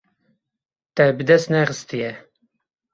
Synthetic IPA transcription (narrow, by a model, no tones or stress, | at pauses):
t̪ɛbɨd̪ɛst̪nɛxɨst̪ijɛ